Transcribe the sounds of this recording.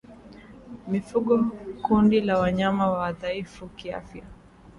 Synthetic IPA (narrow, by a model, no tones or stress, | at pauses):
mifuɠɔkundilawaɲamawawaðaifukia̰fja